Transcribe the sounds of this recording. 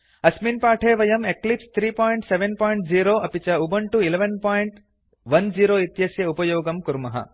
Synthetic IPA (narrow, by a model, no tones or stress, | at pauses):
ɐsmiːnpaːʈʰeːʋɐjɐmeklipst̪ʰɾiːpoːjiɳʈseʋenpoːjɳʈ̚d͡ʒiːɾoːʔɐpit͡ʃɐubɐɳʈuileʋɐnpaːjiɳʈ | ʋɐnd͡ʒiːɾoːit̪jɐsjɐupɐjoːɡɐmkuɾmɐɦɐ̰